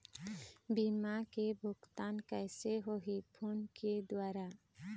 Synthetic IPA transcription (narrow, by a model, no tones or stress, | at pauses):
bimakebʱʊɡt̪ankəɪseɦoɦipʰunked̪waːɾa